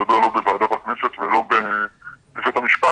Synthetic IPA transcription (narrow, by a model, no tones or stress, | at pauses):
abeʁlobevaːd̪at̪akneset̪velo̞be | ifet̪amiʃpa